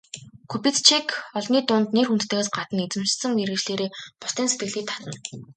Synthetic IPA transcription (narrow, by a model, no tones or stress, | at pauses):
kʰupit͡st͡ɕʰikʰɔɮniːt̪ʊːnt̪nerxunt̪t̪ʰĕɣeːsɢat̪ə̆net͡sɘ̆mt͡ɕsə̆ŋneɾɣɘ̆t͡ɕɮeːɾeːpʊst̪iːnset̪̚ɡɘ̆ɣɮiːt̪ʰat̪ə̆n